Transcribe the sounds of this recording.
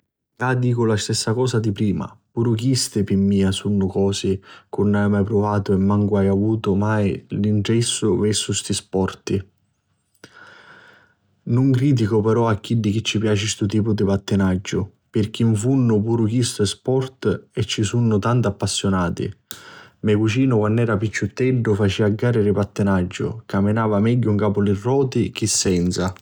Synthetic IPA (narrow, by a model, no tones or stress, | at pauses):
kad̪iːkʊlast̪ɛsːakɔːsad̪ipɾiːma̰puːɾʊk̟ist̪ɪpimːiːasunːʊkɔːsɪkʊnːajmajpɾʊvaːt̪ʊɛmːaŋkʊajavuːt̪ʊmaːjliɳʈɾɛsːʊvɛsːʊst̪ispɔrt̪i | nʊŋkɾiːt̪̬ikʊpɛɾɔakːiɖːik̟ɪt͡ʃːipjaːt͡ʃist̪ʊt̪iːpʊd̪ipat̪ːɪnad͡ʒːʊ | pɪrk̟iɱfunːʊpuːɾʊk̟ist̪ʊespɔrt̪ɛt͡ʃːisunːʊt̪ant̪apːasːjʊnaːt̪ḭ | mɛkut͡ʃiːnʊkwanːɛːɾap̬it͡ʃːut̪ːɛɖːʊfat͡ʃiaɡːaːɾɪɾɪpat̪ːɪnad͡ʒːʊ̰kaminaːvamɛɟːʊuŋkaːpʊlirːɔːt̪ik̟isːɛnt̪sa